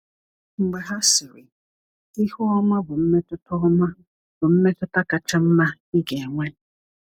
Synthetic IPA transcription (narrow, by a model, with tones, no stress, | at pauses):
m̩˨ɡ͡ba˨ɦa˦si˨ɾi˨ | i˦hu˦ɔ˦ma˦bʊ˨m̩˦mɛ˦tʊ˦tʊ˦ma˦ | bʊ˨m̩˦mɛ˦tʊ˦ta˦ka˨t͡ʃa˦m̩˦ma˦ | i˦ɡɛ˨ŋʷɛ˦